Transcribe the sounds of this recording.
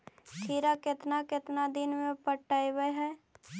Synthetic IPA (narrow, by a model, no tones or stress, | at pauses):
t̪ʰiːɾakɪt̪nakɪt̪nad̪ɪnmẽpəʈːajbəɦɛ